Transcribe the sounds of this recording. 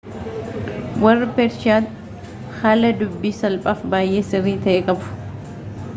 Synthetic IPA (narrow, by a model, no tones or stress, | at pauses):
wɐrːɪpɛɾʃɪaːt̪ | hɐlɐd̪ʊbːiːsɐlpʼaːfbaːjʔe̞ːsɪrːiːt̪ɐʔɛkʼɐbʊ̥